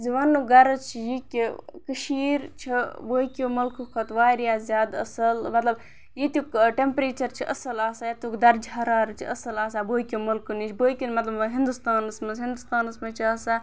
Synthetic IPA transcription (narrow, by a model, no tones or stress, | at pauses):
ziʋanːuɡɐɾɐt͡ʃʰijikʲikɨʃiːɾt͡ʃʰiboːkʲimulkukʰɐt̪ʋaːɾijaːzjaːd̪ɐ̰sɐlmɐt̪lɐb | jit̪ukʈempɾeːt͡ʃɐɾt͡ʃʰiʔɐsɐlaːsaːjɐt̪ukd̪ɐɾd͡ʒɐɾaːɾɨt͡ʃʰḭɐsɐlaːs̬aːboːjkʲimulkunit͡ʃʰboːjkʲinmɐt̪lɐbɦind̪ust̪aːnɨsmɐzɦĩnd̪ust̪aːnɨsmɐt͡ʃʰiɐsa